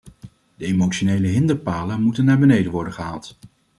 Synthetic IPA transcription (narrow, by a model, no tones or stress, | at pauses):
d̥əemot͡ʃonejləɦɪndəɹpaːlənmutənːaːɹbənejdənʋɔɹdənχəɦaːlˠt